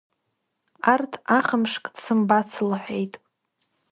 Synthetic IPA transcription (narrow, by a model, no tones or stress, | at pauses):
artʰaχəmʂkʼd̥sɨmbat͡sʰlħʷᶣejtʼ